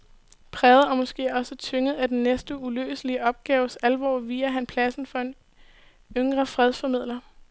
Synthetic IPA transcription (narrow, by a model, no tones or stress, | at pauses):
pʰʁɛːð̩ˠæmɔ̽sɡ̥e̝̰ːɒ̽sət͡sʰøŋəð̞̩ˠæd̥enːesd̥əulø̰ːsəliəɒ̽b̥̚ɡ̥ɛːʊəsælʋɒ̰ːʋiːɐɦænpʰlæsn̩fɒ̽e̝n | øŋɡ̥ʁɐfʁɛð̞ˠfɒ̽mið̞̰ˠlɐ